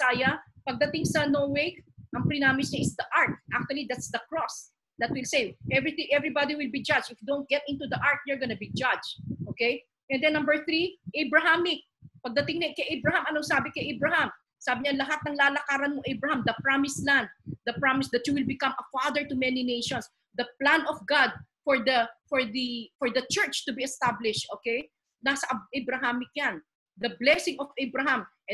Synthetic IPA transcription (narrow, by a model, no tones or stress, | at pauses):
saːjɐpɐɡ̚d̪ɐt̪ɪŋsɐnowejk̚ʔɐŋpɾɪnaːmɪsɲɐʔɪsd̪ɐʔaɹt̪̚ʔak̚t͡ʃuwɐlid̪at̪sd̪ɐkɹɔs | d̪ɐt̪̚wɪlsejʔɛvɹit̪ɪ̃ŋʔɛvɹibad̪iwɪlbid͡ʒad͡ʒɪfd̪ont̪̚ɡɛt̪ʔɪ̃nt̪ud̪ɐʔaɹt̪̚jɛɹɡɐnɐbid͡ʒad͡ʒʔoːkɛj | ʔɛnd̪ɛnːɐ̃mbəɹθɾiʔejbɹɐɦamɪ | pɐɡ̚d̪ɐt̪ɪŋnɐkɐjʔebɹɐɦamɐnoŋsaːbɪkɐjʔejbɹɐham | saːbɪɲɐlɐɦat̪̚nɐŋlaːlɐkaːɾɐnmoʔɛjbɹɐhamd̪ɐpɹamɪslãnd̪̚d̪ɐpɹamɪsd̪ɐt̪juwɪlbɪkɐmɐfad̪əɹt̪ʊmɛninejʃɔns | d̪ɐplãnɔfɡad̪̚fɔɹd̪ɐfɔɹd̪ifɔɹd̪ɐt͡ʃɛɹt͡ʃt̪ʊbiɛst̪ablɪʃt̪ʔoːkɛj | nasɐʔɐʔɛbɾɐɦamɪk̚jan | d̪ɐblɛsɪŋɔfʔɛbɹɐɦamʔɛ